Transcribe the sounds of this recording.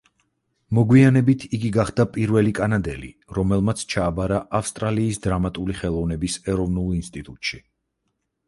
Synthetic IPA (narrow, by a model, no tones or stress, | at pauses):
mɔɡwianɛbit̪ʰiɡiɡaχd̪̥apʼiɾvɛlikʼanad̪ɛlḭ | ɾɔmɛlˠmat̪sʰt͡ʃʰaːbaɾaʔafst̪ʼɾaliːsd̪ɾamat̪ʼuliχɛlˠɔvnɛbisɛɾɔvnulˠinst̪ʼit̪ʼut̪ʼʃi